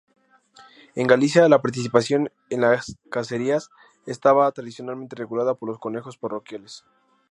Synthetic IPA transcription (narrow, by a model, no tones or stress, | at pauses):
e̞ŋɡalis̬jalapaɾt̪̬is̬ipasjo̞n | e̞nlaskase̞ɾias | est̪aβat̪ɾaðisjo̞nalment̪e̞re̞ɣulaðapo̞ɾlosko̞ne̞xo̞sparo̞kjales